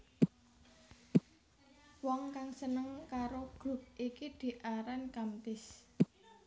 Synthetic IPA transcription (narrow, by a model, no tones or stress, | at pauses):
wɔŋkaŋsənəŋkaɾoɡ̥ɾʊ̤p̚ʔikid̪̥i̤ʔaɾankamt̪ɪs